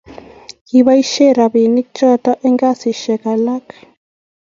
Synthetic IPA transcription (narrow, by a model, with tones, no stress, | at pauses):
ki˨βa˦i˦ʃɛ˦˨ɾa˨βi˨ni˦kt͡ʃɔ˦tɔ˦ʔɛ˦ŋɡa˦˨si˨ʃɛ˨ka˨la˦k